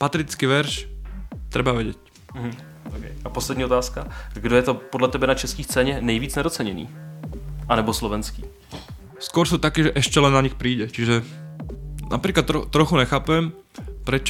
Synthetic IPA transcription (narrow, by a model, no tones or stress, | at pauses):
pat̪ɛɾit͡skiʋɛɾʃ | t̪ɾɛbaʋɛɟɛc̩ | ɦ̩ | okɛ̰japoslɛd̪ɲiːɔt̪aːskaɡdojɛt̪opodlat̪ɛbɛnat͡ʃɛskiːst͡sɛːɲɛnɛjvʋiːt͡snɛdot͡sɛɲɛnḭː | ʔanɛbɔslɔvɛnskḭː | skʊɔɾsuːt̪akɛːʒɛʔɛʃcɛlɛnːaɲixpɾiːɟɛt͡ʃiʒɛ | na̰pɾiːklat̪ːɾot̪ːɾɔxuɲɛxaːpɛm | pɾɛt͡ʃ